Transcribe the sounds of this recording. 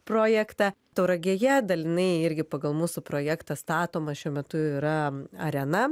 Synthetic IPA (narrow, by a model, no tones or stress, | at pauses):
pɾoːjɛkt̪ɑ | t̪ɐʊɾɐɡʲeːjɛd̪ɐlʲɪnɐɪɪɾʲɡʲɪpɐɡɐlˠmuːsʊpɾoːjækt̪ɑst̪ɑːt̪oːmɐʃʲuɔmʲɛt̪ʊiɾɐɐɾʲɛnɐ